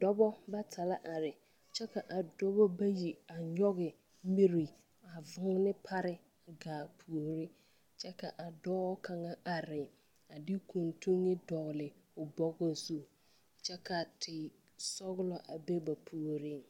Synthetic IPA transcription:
dɔ˦bɔ˦ba˦tʰa˨la˦ʔa˨ɾɪ˨ | t͡ʃʰɛ˦kʰa˨ʔa˨dɔ˦bɔ˦ba˦ji˨a˨ɲɔ˦ɡɪ˨ | mi˦ɾi˨ | a˨vʊ̃˦ŋ˦nɪ̃˦pʰa˦ɾɪ˦˨ | ɡaː˨pʰu˨o˨ɾi˦ | t͡ʃʰɛ˦kʰa˨ʔa˨dɔː˦kʰã˨ŋã˦ʔa˨ɾɪ˨ | a˨dɪ˦kʰũ˨ntʰũ˦ŋɪ˦dɔ˨lɪ˨ʊ˨bɔ˦ɡɔ˨su˨ | t͡ʃʰɛ˦kʰa˨tʰɪ˨ | sɔ˦ɣlɔ˨ʔa˨be˦ba˨pʰu˨o˨ɾi˦˨

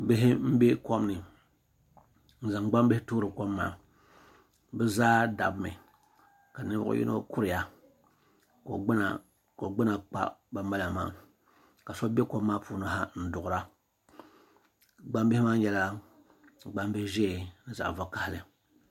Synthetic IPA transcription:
bɪ˦ɦɪ˦m̩˦bɛ˦ko˦m˦nɨ˨ | n̩˨˦za˨ŋ˨ɡ͡ba˦m˦bɨ˦hɪ˦tuː˦ɾɨ˨ko˦mːaː˨ | bɛ˦zaː˦da̰˨bmɨ̰˨ | ka˨nɨ˦bʊ̰˦ʊ̰˦jʔɪ̰˦nʔo̰˦kʊ˦ɾɪ˨ja˨ | ko̰˨ɡ͡bna˨ | ko˨ɡ͡bɨ˦na˨k͡pa̰˦ba˦m˦ba˦la˨ma̰ː˦˨ | ka˨so˦bʲɛ˦ko˦mː˦aː˦puː˦na˦ɦa˦n̩˦dʊ˨ɣʊ˨ɾa˦ | ɡ͡ba˦mbɪ˦hɪ˦maː˦jɛ˦la˦˨ | ɡ͡ba˦m˦bɪ˦ʒe˦˨nɨ˦za̰˨ʔva˨˦ka˨hɪ˨lɨ˨

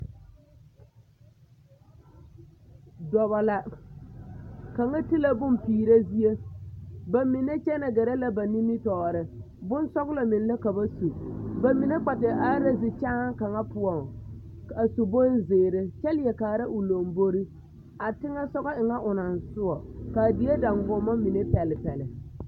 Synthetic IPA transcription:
dɔ˨βa˨la˨ | ka˨ŋa˦ti˦la˦bʊ˦mpiː˨ɾa˦zi˦e˦ | ba˨mɪ˨ne˦t͡ʃɛ˦na˨ɡɛ˨ɾa˦la˦ba˨ni˦mɪ˦tɔː˨ɾɪ˨ | bʊ˦n˦sɔ˦ɣla˨mɪ˨n˦la˦ka˨ba˦su˨ba˨mi˨ne˦k͡pa˨tɪ˨ʔa˦ɾa˦zɪ˨t͡ʃaː˦ŋ˦ka˨ŋa˦pʊ˦ɔ˨ŋ | ka˨su˨bo˦n˦zeː˨ɾɪ˦t͡ʃɛ˦lɪ˦ɛ˨kaː˨ɾa˦ʔʊ˨lo˨mbo˦ɾi˦ | a˨tɪ˦ŋa˦sɔ˦ɣɔ˦ɪ˨ŋa˦ʔʊ˨na˨n˨sʊ˦ɔ˨ka˨dɪ˨˦e˦da˨ŋɡʊ˨mːa˦mi˨ne˦pɛ˨lɪ˨pɛ˨lɪ˨

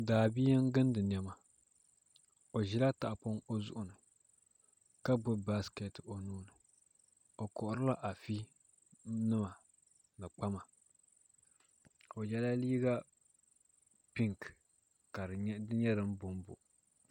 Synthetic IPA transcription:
daː˨biː˦n˦ɡɨ˦ndɨ˨n˨ɛ˨ma˨ | o˨ʒi˦la˦ta˨ʔpo˦ŋo˦zʊ̰˦ʔʊ˨nɨ˨ | ka˦bʊ˦ba˦ske˨to˨nuː˦nɨ˨ | o˨kɔ˨ʔʊ˨ɾɨ˦la˦ʔa˨fi˦ | nɨ˦ma˨ | nɨ˨k͡pa˦ma˨ | o˨jɛ˦la˦liː˦ɡa˦ | pi˦ŋk | ka˨ɾdɨ˦ɲɛ˦ɾɨ˦m˦bʊ˨˦m˦bʊ̰˨

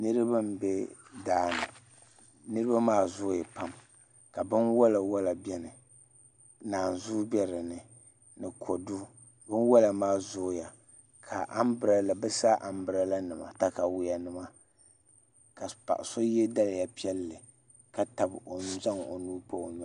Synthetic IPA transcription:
nɨ˦ɾɨ˦ba˦m̩˦be˦daː˦nɨ̰˨ | nɨ˦ɾɨ˦ba˦maː˦˨zʊ˦˨ja˨pa˦m | ka˨bɨ˦nwa˦la˨wa˦la˨bɛ˦nɨ˨ | naː˨n˨zʊ˦bɛ˦ɾɨ˨nɨ˨ | nɨ˨kʰo˨du˦ | bɨ˦nwa˦la˨maː˦˨zʊ˦ja˨ | kʰa˨ʔa̰˦mbɨ˨ɾa˨la˨bɨ˦sa˦ʔa˨m˦bɨ˨ɾa˨la˦nɨ˨ma̰˨ta˦ka˨wʊ˨ja˨nɨ˨ma˦ | ka˨pa̰˨ʔso˦jɛ˦da˦la˨ja˨pi˦ɛ˦lːɨ˨ | ka˨ta˨bo˨n˦za˦ŋo˨nuː˦po˦˨ɲ˦

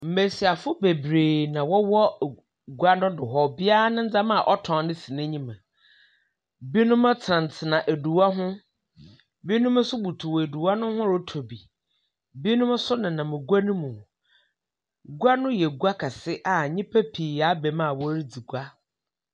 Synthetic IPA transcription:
m̩˨me˨si˨a˨fʊ˦be˨bɾeː˨nã˨wɔ˦wɔ˦˨ | ɡu˦a˦nʊ̃˦dʊ˨ɦɔ˨bɪ˦a˦nʊ̃˦n̩˦d͡za˦mã˦˨ʔɔ˦tʰɔ̃˨˦nɪ̃˦si˨nã˦ɲĩ˦mã˨ | bi˦nʊ̃˦mã˦tʰã˨n˨t͡sʰɪ˨nã˨ʔæ˨du˨wa˦ɦʊ̃˦ | bi˦nʊ̃˦m˦sʊ˦bu˨tʰu˨we˨du˨wa˦nʊ̃˦hʊ̃˦ɾʊ˦tʰo˨bi˨ | bi˦nʊ̃˦m˦sʊ˦nɪ̃˨nã˨mɪ̃˨ɡu˦a˦nũ˦mũ˨ | ɡu˦a˦nʊ̃˦jɛ˨ɡu˦a˦kʰa˨sɪ˦ʔa˨ɲĩ˦pʰɛ˦pʰi˨a˦bɛ˨mã˦˨wɔ˦ɾi˦d͡zi˨ɡu˦a˦

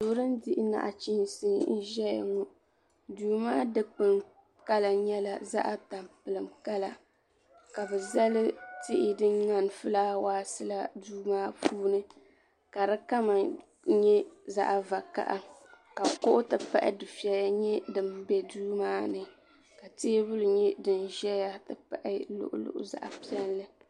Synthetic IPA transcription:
duː˨˦ɾɨ˦ndɪ˦ʔɪ˦na̰˨ʔa˨t͡ʃi˦n˨sɨ˦ŋ˦n̩˦ʒɛ˦ja̰˨ŋu˦ | duː˨˦maː˦dɨ˦k͡pɨ˨ŋ | ka˦la˨ɲɛ˦la˨za̰˦ʔa˦ta˨mpɨ˨lɨ˨mka˦la˦ | ka˨bɛ˨za˦lɨ˦tɪ˦ʔɪ˦dɨ˦ŋŋa˦nfɨ˦laː˦waː˦sɨ˦la˦duː˦maː˦pʰuː˦nɨ˦ | ka˨ɾɨ˦ka˦ma˨ | ɲɛ˦za̰˦ʔva˨ka̰˨ʔa˦ | ka˨kʊ˦ʔʊ˦tɨ˨pa̰˦ʔɪ̰˦dɨ˨fi˨˦ɛ˨ja˦ɲɛ˦dɨ˨mbɛ˦duː˦maː˦nɨ˨ | ka˨teː˦bʊ˦lɲɛ˦dɨ˨nʒɛ˦ja˦tɨ˨pa̰˦ʔɪ˦lʊ̰˦ʔʊ̰˦lʊ̰˦˨ʔʊ̰˦za̰˦ʔa̰˨pi˦ɛ˦nlɨ˦

